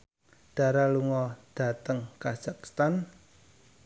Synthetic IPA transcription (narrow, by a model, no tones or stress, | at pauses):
ɖ̥a̤ɾaluŋɔd̥a̤t̪əŋkaz̥akst̪an